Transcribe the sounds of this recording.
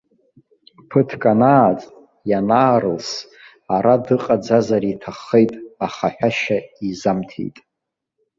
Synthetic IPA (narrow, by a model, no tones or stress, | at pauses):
pʰɨtʰkʼanaːt͡sʼ | janaːɾɨls | aɾadɨqʼad͡zazaɾitʰaχejtʼaχaħʷᶣaʃaizamtʰḛjtʼ